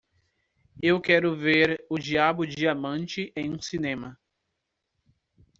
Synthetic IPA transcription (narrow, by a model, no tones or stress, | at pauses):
ewkɛɾʊveɾʊd͡ʒiabʊd͡ʒɪamɐ̃nt͡ʃɪʔẽj̃ũsinẽmɐ